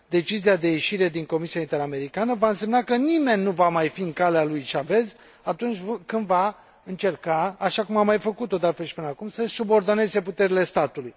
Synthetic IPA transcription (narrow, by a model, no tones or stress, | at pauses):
d̪e̞t͡ʃiziad̪e̞je̞ʃiɾe̞d̪iŋko̞misiaint̪e̞ɾame̞ɾikanəvaɨnse̞mnakənime̞nʲːuvamajfiɨŋkalealujt͡ʃave̞z | at̪unt͡ʃʲvkɨnd̪va | ɨnt͡ʃe̞rkaːʃakumamːajfəkut̪o̞d̪alfe̞lʃi̥pɨnəakumsəsubo̞rd̪o̞ne̞ze̞put̪e̞ɾile̞st̪at̪uluj